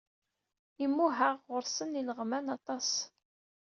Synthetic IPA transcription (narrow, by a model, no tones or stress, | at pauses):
imːuɦaʁʁʊɾsəniləʁmænɑt̪ˤɑs